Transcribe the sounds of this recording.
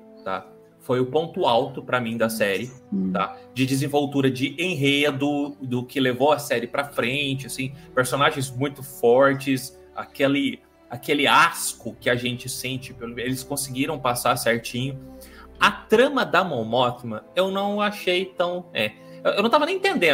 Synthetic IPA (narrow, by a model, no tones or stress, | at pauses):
t̪a̰ | fojʊpõnt̪ʊawt̪ʊpɾɐmĩd̪ɐsɛɾɪt̪a̰d͡ʒɪd͡ʒɪzẽvowt̪uɾɐd͡ʒɪʔẽɦed̪ʊd̪ʊkɪlevowɐsɛɾɪpɾɐfɾẽt͡ʃɪasĩpeɾsõnaʒẽj̃zmũj̃t̪ʊfɔɾt͡ʃɪs | a̰kelɪ | akelɪaskʊkɪɐʒẽnt͡ʃɪsẽnt͡ʃɪpelelɪskõsɪɡiɾɐ̃w̃pasasɛɾt͡ʃĩɲʊ | ɐt̪ɾɐ̃mɐd̪ɐmõmɔfimɐ̃ewnɐ̃w̃aʃejt̪ɐ̃w̃ɛ | ewnew̪ɐ̃w̃t̪avɐnẽj̃t̪ẽnd̪ẽ